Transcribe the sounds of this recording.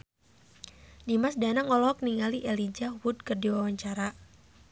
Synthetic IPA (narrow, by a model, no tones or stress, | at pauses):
dimasdanaŋɔlɔɦɔk̚niŋaliʔɛlid͡ʒawud̚kɨrdiwawaɲt͡ʃaɾa